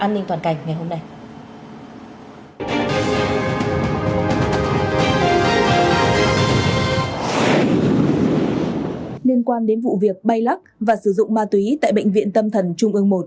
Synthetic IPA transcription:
ʔaː˧nːi˧ŋt̪waː˨˩nka˨˩jŋ̟ŋa˨˩jɦo˧mna˧j | li˧ənkwaː˧nɗe˨˦nvṵ˧˨vi˨˩ək̚ɓa˧jla˦˥k̚vaː˨˩sɨ˧˩zʊ̰˧˨ŋ͡mmaː˧t̪wi˨˦t̪a̰ː˧˨jɓə̰˧˨jŋ̟vḭ˧˨ənt̪ə˧mt̪ʰə˨˩nt͡ɕʊ˧ŋ͡mʔɨ˧əŋmo˨˩t̚

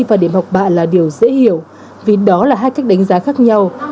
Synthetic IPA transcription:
vaː˨˩ɗe˧˩mha˨˩wk͡p̚ɓa̰ː˧˨nlaː˨˩ɗi˨˩əwzḛ˧˥hi˧˩˨əw | vi˨˩ɗɔ˨˦laː˨˩ɦaː˧jka˦˥k̚ɗa˨˦ŋ̟zaː˨˦xaː˦˥k̚ɲa˧w

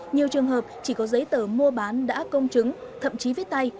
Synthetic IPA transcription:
ɲi˨˩əwt͡ɕɨ˨˩əŋɦəː˨˩p̚t͡ɕi˧˩kɔ˨˦zə˨˦jt̪əː˧˩mu˧əɓaː˨˦nɗa̰ː˧˥kə˧wŋ͡mt͡ɕɨ˨˦ŋt̪ʰə̰˧˨mt͡ɕi˨˦və˨˦t̪a˧j

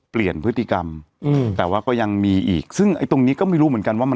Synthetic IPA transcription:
pli˨˩ənpʰɯ˦˥t̪ʰːi˧˩ka˧m˧ | t̪ɛː˨˩waː˥˩kɔː˥˩ja˧ŋmiː˧ʔḭː˨˩k̚sɯ˥˩ŋʔa̰˧jt̪o˧ŋniː˦˥kɔ˥˩ma˥˩jɾuː˦mɯ˩˦ə˦ŋka˧nwaː˥˩m˧

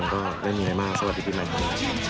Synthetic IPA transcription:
ŋkɔː˥˩daː˥˩jmiː˧ɾa˧jmaː˥˩k̚sa˧wa˩t̪̚diː˧tʰiː˥˩ma˧˩na˧˩

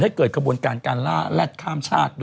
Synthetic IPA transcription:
ha˥˩jkɤː˨˩kʰa˧bu˧ənkaː˧nkaː˧nlaː˥˩lɛ˦˥˩t̪̚kʰaː˥˩mt͡ɕʰaː˥˩t̪̚d

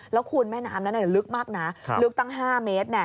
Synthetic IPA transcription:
lɛː˦˥wkʰu˧nmɛː˥˩naː˦˥mna˦˥nʔa˨˩˨lɯ˦˥k̚maː˥˩k̚na˦˥lɯ˦˥k̚t̪a˥˩ŋɦaː˥˩meː˦˥t̪̚nɛ˧˩

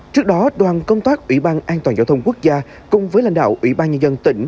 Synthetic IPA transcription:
t͡ɕɨ˦˥ək̚ɗɔ˨˦ɗwaː˨˩nkə˧wŋ͡mt̪aː˦˥k̚ʔwḭ˧˩ɓaː˧nʔaː˧nt̪wa˨˩nzaː˧˩wt̪ʰwŋ͡mku˦˥ək̚zaː˧ | kʊ˨ŋ͡mvəː˨˦jla̰˧jŋ̟ɗa̰ː˧˨wʔwḭ˧˩ɓaː˧nɲə˧nzə˧nt̪ï˧˩ŋ̟

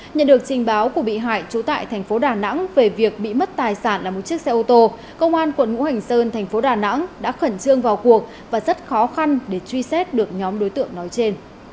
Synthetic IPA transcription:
ɲə̰˧˨nɗɨ˨˩ək̚t͡ɕï˨˩ŋ̟ɓaː˨˦wku˧˩əɓḭ˧˨ɦa̰ː˧˨jt͡ɕu˨˦t̪a̰ː˧˨jt̪ʰɛ˨˩jŋ̟fo˨˦ɗaː˨˩na̰˧˥ŋve˨˩vi˨˩ək̚ɓḭ˧˨mə˦˥t̚t̪aː˨˩jsaː˧˩nlaː˨˩m˨˩t̚t͡ɕi˦˥ək̚sɛ˧ʔo˧t̪o˧ | kə˧wŋ͡mʔaː˧nkwə˨˧˩nŋṵ˧˥ha˨˩jŋ̟səː˧nt̪ʰɛ˨˩jŋ̟fo˨˦ɗaː˨˩na̰˧˥ŋɗa̰ː˧˥xə˧˩nt͡ɕɨ˧əŋvaː˨˩wku˨˩ək̚ | vaː˨˩zə˦˥t̚xɔ˨˦xa˧nɗe˧˩t͡ɕwi˧sɛ˦˥t̚ɗɨ˨˩ək̚ɲɔ˨˦mɗo˨˦jt̪ɨ̰˧˨əŋnɔ˨˦jt͡ɕe˧n

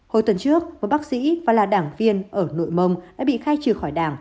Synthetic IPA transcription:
ho˨˩jt̪wə˨˩nt͡ɕɨ˦˥ək̚məː˨˩j̚ɓaː˦˥k̚sḭ˧˥vaː˨˩laː˨˩ɗaː˧˩ŋvi˧ənʔəː˧˩no̰˧˨jmə˧wŋ͡mɗa̰ː˧˥ɓḭ˧˨xaː˧jt͡ɕɨ˨˩xɔ˧˩jɗaː˧˩ŋ

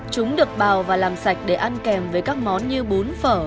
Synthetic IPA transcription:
t͡ɕʊ˨˦ŋ͡mɗɨ˨˩ək̚ɓaː˨˩wvaː˨˩laː˨˩msa˨˩jk̟̚ɗe˧˩ʔa˧nkɛ˨˩mve˨˩jkaː˦˥k̚mɔ˨˦nɲɨ˧ɓu˨˦nfəː˧˩

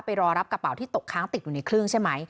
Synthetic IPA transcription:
pa˧jɾɔː˧ɾa˦˥p̚ka˧˩pa˨˩˦wt̪ʰiː˥˩t̪o˨˩kʰaː˦˥ŋt̪i˨˩t̪̚juː˨˩na˧jkʰɾɯ˥˩ŋt͡ɕʰa˥˩jma˦˥j

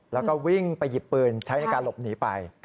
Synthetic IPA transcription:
lɛː˦˥wkɔː˥˩wi˥˩ŋpa˧jːi˨˩pːɯː˧nt͡ɕʰa˦˥jna˧jkaː˧nlo˨˩p̚niː˩˦pa˧j

